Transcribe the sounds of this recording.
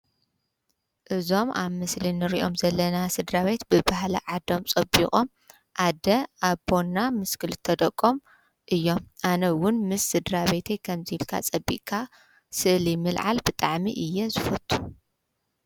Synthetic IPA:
ʔɨzo̞maβmɨslinɨɾiʔo̞mzɐlːɐnasɨd̪ɾaβe̞t̪bɨbaɦlɐʕad̪o̞mt͡sʼɐbiχʼo̞m | ʔad̪ɐʔaβbo̞nːamɨskʰɨlɨt̪ʰɐd̪ɐkʼːom | ʔɨjːo̞mʔanɐwʊnmɨsːɨd̪ɾaβe̞t̪ʰekʰɐmzɨhilkʰa̰t͡sʼɐbːḭʔkʰa | sɨʔlimɨlʕa̰lbɨt̪ʼaʕmḭʔɨjːɛzɨfɐt̪ʼːu̥

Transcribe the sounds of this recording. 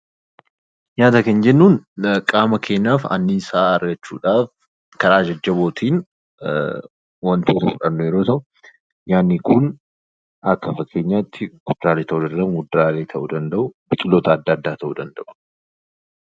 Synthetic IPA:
jaːt̪ɐkend͡ʒɛnːuːnkʼaːmɐkʰe̞ːɲːaːfɐ̰nːisaːɐɾɡɐt͡ʃːṵːᶑaːf | kɐɾaːd͡ʒɐd͡ʒːɐbo̞ːt̪ʰiːn | wɐnt̪ʰoːt̪ɐfʊᶑɐnːɔjɛɾo̞ːt̪ɐʔʊ | jaːnːɪkʰʊn | ɐkːɐfɐkʰːe̞ːɲːaːɪt̪ːɪkʊd̪ɾaːlet̪ɐʔud̪ɐnd̪ɐʊʊd̪ɾaːleːt̪ʰɐʔud̪ɐnd̪ɐʔʊbɪkʼɪlːoːt̪ʰɐːd̪ːaːd̪ːaːt̪ʰɐʔud̪ɐnd̪ɐʔʊ̥

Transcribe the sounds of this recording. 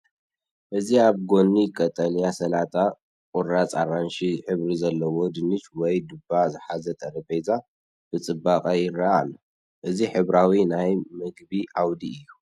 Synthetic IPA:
ʔɨziaβɡo̞nːikʼɐt̪ʼɐljasɐlat̪ʰʼa | kʼʊɾat͡sʼaranʃiħɨβɾizɐlːɐwo̞d̪ɨnɨt͡ʃwɔjd̪ɨbazɨħazɐt̪ʼɐɾɐbejza | b̥ɨt͡sʼɨbːakʼajɪraalːɐ | ʔɨziħɨβɾawinajmɨɡbiʔawd̪iɨjːu

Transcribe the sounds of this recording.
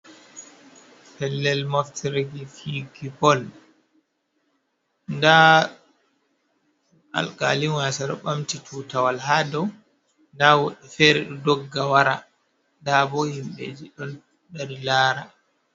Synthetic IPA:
pɛlːɛlmaftʰɾeɡifiɡipɔl | nda | a̰lka̰liwasaɾɔ̰ɓamtitʰutawalhaːdɔw | ndawɔɗɛfɛɾɛɗɔdɔɡːawaɾa | ndabɔhimɓḛd͡ʒiɗɔn | daɾilaːɾa

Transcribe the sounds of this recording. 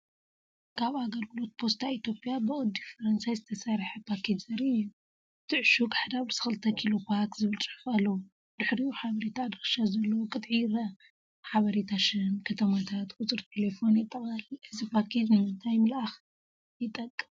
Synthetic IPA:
kʰaβaɡɐɾɡɨlo̞t̪̚pʰo̞st̪ʰait̪jo̞pʼijabɨʔʼɔd̪ːifɐɾɐnsajzɨt̪ʰɐsaɾħɐpʰakʰet̪zɐɾiu | t̪ʰɨʕʃukʼaħd̪aβɾsɨxɨlt̪ʰɐkʰilo̞pʰakzɨβɨlt͡sʼɨħufalːɐwu | d̪ɨħɾiuħaβɐɾet̪ʰad̪ɨxʃazɐlːɐwkʼɨt̪ʼʕiɾɐ | ħaβɐɾet̪ʰaʃɐnkʰɐt̪ʰɐmat̪ʰat̪kʼʊt͡sʼɨɾt̪ʰe̞le̞fo̞njɪt̪ʼːɐβʼaliʔɨzipʰakʰe̞t̪mɨnt̪ʰajmlax | jɪt̪ʼɐkʼːɨm

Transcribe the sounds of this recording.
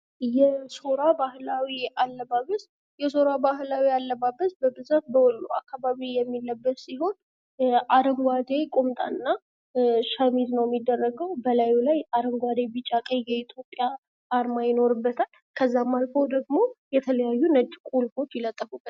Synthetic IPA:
jɛso̞ɾabahlawialːəbaβəs | jɛso̞ɾabaɦlawialːəβabəsbəbɨzafbəwɔlːua̰kːaβaβijɛmːilːəbːət̪siɦo̞n | ʔaɾəmɡʷad̪ekʼomt̪ʼa̰ɨnːa | ʃamid̪nəwjɛmːid̪ːərːəɡəwbəlajulajaɾəmɡʷad̪e̞bɨt͡ʃʼakʼəɲjɛit̪ʰjo̞pʼːjaː | ɾmajɪno̞ɾɨbːət̪ʰal | kʰəzːamːalfəwd̪əɡmo̞jɛt̪ʰələjajːunəd͡ʒːkʼulfo̞t͡ʃːjɪlət̪ʼːəfubə

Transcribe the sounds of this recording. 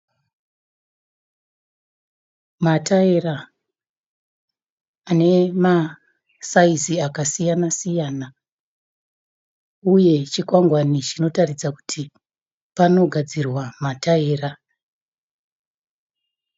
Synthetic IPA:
matae̞ra | ane̞ma | saiziakasijanasijaːna | uje̞t͡ʃikwaŋɡwanit͡ʃino̞tarid͡zaku̥tʰi | pano̞ɡʱad͡zirwamataeːra

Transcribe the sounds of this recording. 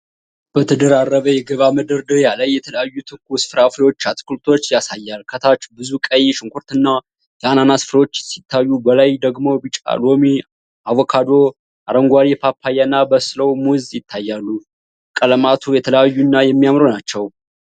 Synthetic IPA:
b̥ət̪ʰɨd̪əɾarːəβəjɛɡəβamɨd̪ɨɾd̪ɨjalajːɛt̪ʰələjajːut̪ʰɨɾkʰusɨ̥fɾaflo̞t͡ʃːat̪ʰʼɨ̥kult̪ʰo̞t͡ʃːjasajːalkʰət̪ʰat͡ʃːbɨzukʼəjʃɪŋkʰʷuɾt̪ɨnːa | jɛananasfɾo̞t͡ʃːsit̪ʰːajːubəlajd̪əɡmo̞bit͡ʃʼa̰lwomi | ʔavokʰad̪o̞ | ʔaɾəŋɡʷaɾipʰapʰːajanːabəsləwmuzjɪt̪ʰːajːalːu | kʼələmat̪ʰujɛt̪ʰələjajːunːajɛmːijamɾonat͡ʃːɛw

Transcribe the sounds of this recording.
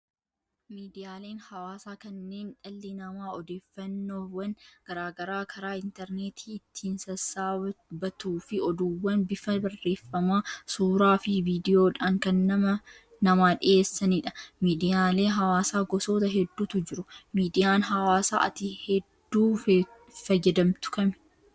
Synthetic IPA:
miːd̪ɪjaːle̞ːnhɐwaːsaːkɐnːeːnᶑɐlːɪnɐmaːɔd̪eːfːɐnːo̞ːwɐnɡ̥ɐɾaːɡɐɾaːkʰɐɾaːɪnt̪ɛɾneːt̪ʰi̥ːɪt̪ʰːiːnsɐsːaːbɐt̪uːfɪɔd̪uːwːɐnbɪfɐbɐrːe̞ːfːɐmaːsuːɾaːfɪviːd̪ɪjo̞ːᶑaːŋkɐnːɐmɐ | nɐmaːᶑɪʔeːsːɐnɪᶑɐ̥miːd̪ɪjaːle̞ːɦɐwaːsaːɡɔso̞ːt̪ɐɦɛd̪ːuːt̪ʊd͡ʒɪɾʊmiːd̪ɪjaːnɦɐwaːsa̰ːʔɐ̰t̪ihɛd̪ːuː | fɐd͡ʒɛd̪ɐmt̪ʊ̥kɐm

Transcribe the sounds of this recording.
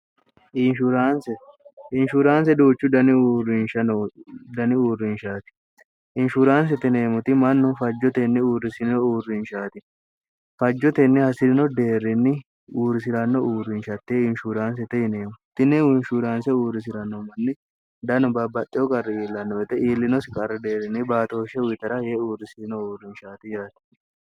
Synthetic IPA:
ʔɪnʃuɾaːnsɛɪnʃuɾaːns̬ɛd̪uːt͡ʃːʊd̪ɐnɪrɪnʃɐnɔd̪ɐnɪuːrːɪnʃaːt̪ɪ̥ | ʔɪnʃuɾaːns̬ɛt̪ɪne̞ːmʊt̪ɪmɐnːɔfɐd͡ʒːɔt̪ɛnːɪuːrɪsɪnɪnɔuːrːɪnʃaːt̪ɪ | fɐd͡ʒːɔt̪ɛnːɪhɐsɪdɪnɔd̪e̞ːrːɪnːɪ | uːrːɪs̬ɪɾɐnːɔʔuːrɪnʃɐt̪ːeɪnʃuɾaːns̬ɛt̪ɛjɪne̞ːmʊt̪ːɪnːɛnʃuːɾaːnsɛuːrːɪs̬ɪɾɐnːɔmɐnːɪ | d̪ɐnɔbɐbɐt̪ʼːɪjɔkʼɐrːɪiːlːɐnːɔɛt̪ɛʔiːlːɪnɔsɪkʼɐɾːɛd̪e̞ːrːɪnːɪbaːt̪oʃɛwɪt̪ɐɾɐjeːuːrːɪsɪnɔuːrɪnʃaːt̪ɪd͡ʒaːt̪ɪ̥

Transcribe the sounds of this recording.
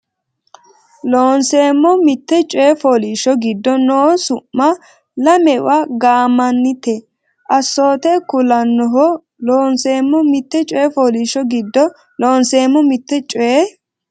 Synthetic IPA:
loːnseːmːɔmɪt̪ːɛt͡ʃʼɔjɛfoːliʃɔɡɪd̪ːɔnoːsʊʔːɐ | lɐmɛʊ̰ʔaɡaːmɐnːɪt̪ɛ | ʔɐsːo̞ːt̪ɛkʊlɐnːɔɦɔ | loːnseːmːɔmɪt̪ːɛt͡ʃʼɔjɛfoːliʃːɔɡɪd̪ːɔ | loːnseːmːɔmɪt̪ːɛt͡ʃʼɔje

